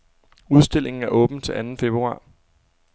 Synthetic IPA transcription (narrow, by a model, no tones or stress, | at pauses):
uð̞ˠsd̥e̝lʔe̝ŋn̩æɐʔɔ̽ːb̥n̩t͡sʰe̝lʔænn̩fe̝b̥ʁuɑ̰̈ː